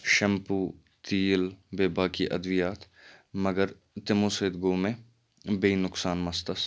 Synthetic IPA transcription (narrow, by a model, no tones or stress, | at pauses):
ʃɐmpuː | t̪iːlbeːbaːkiʔɐd̪ʋɪjaːt̪ | mɐɡəɾ | t̪ɪmõːseːd̪ɡoːmẽ | beinʊksaːnmɐst̪əs